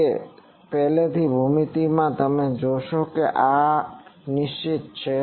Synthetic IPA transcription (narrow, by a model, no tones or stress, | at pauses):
e | pɛɦlet̪ʰibʱumit̪imãt̪əmẽd͡ʒoʃokeʔa | niʃt͡ʃit̪̚t͡ʃʰe